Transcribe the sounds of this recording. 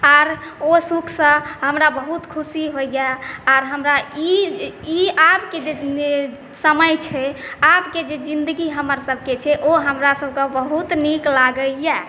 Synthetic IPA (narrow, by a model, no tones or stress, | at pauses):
aɾosukʰsə̃ɦəmɾabəɦut̪kʰusiɦoɡaaɾɦəmɾaiiapked͡ʒe | səməjt͡ʃʰɛapked͡ʒed͡ʒind̪əɡiɦəməɾsəb̚ʱket͡ʃʰɛʔoɦəmɾasəbʱkəbəɦut̪niklaɡəjɛ